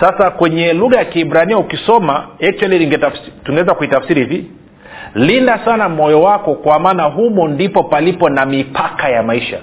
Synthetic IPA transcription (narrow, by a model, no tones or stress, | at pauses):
sasakwɛɲɛluɣajakiibɾaniɔukisɔmaɛk̚t͡ʃwaliniɛtuŋɡɛwɛzakuitafsiɾihivi | lindasanam̩ɔjɔwakɔkwamaːnaɦumɔndipɔpalipɔnamipʰakajamaiʃa̰